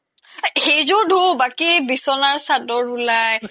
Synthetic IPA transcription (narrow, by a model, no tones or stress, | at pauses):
xejzʊdʱubakibisɔnaɹsadɔɹulaj